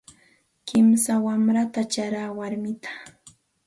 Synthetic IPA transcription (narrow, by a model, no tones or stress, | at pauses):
kɪmsawamɾat̪at͡ʃaɾaːwaɾmɪt̪ʰḁ